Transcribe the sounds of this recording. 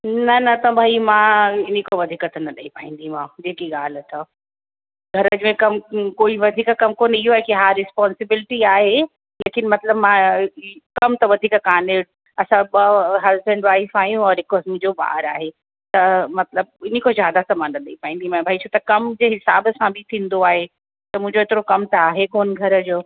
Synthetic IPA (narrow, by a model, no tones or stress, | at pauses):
nɐnɐt̪ɐbʱaːimãɪnĩkoʋɐd̪ʱiːkət̪ʰnɐɗɐipaːɦĩːn̆d̪imãːd͡ʑeːkiɠaːlt̪ʰa | ɡʱɐɾəd͡ʑɪmẽkɐmkoːiʋɐd̪ʱiːkkɐmkoːniɦoaːekiɦaːɾːɪspɔːnsɪbɪlɪʈiaːɦe | leːkɪnmɐt̪ləbmã | kɐmt̪ɐʋɐd̪ʱiːkkaːnɪɽ | ɐsãɓɐɦɐzbɛ̃ɳɖʋaːɪfaːjũɔːɾɪkɔsmũɦɪ̃ɲd͡ʑoɓa̰ːɾaːɦe | t̪ɐmɐt̪ləb̚ɪnikozjaːd̪asɐmaːnnɐɗ̪ɐipaːĩnd̪imãbʱaːit͡ɕʰoːt̪ɐkɐmd͡ʑeːɦɪsaːbəsãbʱɪt̪ʰĩːnd̪oaːɦe | t̪ɐmʊ̃ɦɪ̃ɲd͡ʑoɪt̪ɪɾokɐmt̪ɐaːɦekoːnɡʱɐɾə̆d͡ʑoː